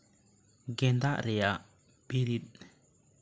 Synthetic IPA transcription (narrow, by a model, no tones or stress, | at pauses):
ɡɛnd̪aʔɾɛjaʔ | b̥eɾit̪̚